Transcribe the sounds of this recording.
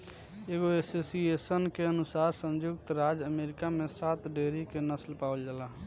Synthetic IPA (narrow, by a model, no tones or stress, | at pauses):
eːɡoesesiesənkeənʊsaːɾsə̃nd͡ʒʊɡt̪ɾaːd͡ʒəmeɾɪkamẽsaːt̪ɖeːɾikenəslpaːəld͡ʒala